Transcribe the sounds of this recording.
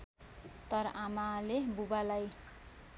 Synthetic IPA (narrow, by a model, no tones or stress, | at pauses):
t̪ʌɾʌʔamalebubalaj